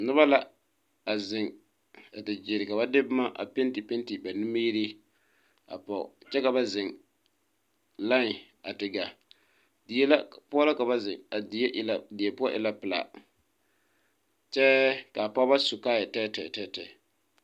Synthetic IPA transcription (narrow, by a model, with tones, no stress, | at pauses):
nʊ˦ba˦la˦ | a˨zɪ˨ŋ | a˨tɪ˨d͡ʒɪ˨ɾɪ˨ka˨ba˦dɪ˦bma˦ʔa̰˨pe˦nti˨pe˦nti˨ba˨ni˦ma˦ji˦ɾi˦ | a̰˨pɔ˨ʊ̰˨t͡ʃɛ˦ka˨ba˨zɪ˨ŋ | la˦ŋɪ˨ | a˨tɪ˨ɡa˨ | dɪ˨je˦la˦pʊ˦ɔ˦la˦ka˨ba˦zɪ˨ŋa˨dɪ˨e˦ʔla˨dɪ˨e˨pʊ˦ɔ˦ʔɪ̰˨la˦pɪ˨la̰˨ | t͡ʃɛ˦ka˨pa˦ba˦sʊ˨kaː˦˨jɛ˨tɛː˦tɛ˨tɛ˦tɛ˨